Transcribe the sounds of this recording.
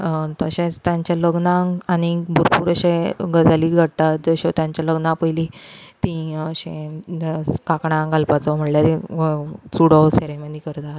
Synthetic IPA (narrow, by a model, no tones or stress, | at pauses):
t̪əɕẽt̪jãɲt͡ɕjaləɡnãaɽ̃ibʱuɾpuːɾəɕẽɡəd͡zaliɡʱəɽt̪at̪̚d͡zəɕɔt̪jãɲt͡ɕaləɡnãpəjlit̪ĩəɕẽ | kakɳãɡalpat͡sɔm̤əɽla | suɽɔseɾeməd̪ikəɾt̪a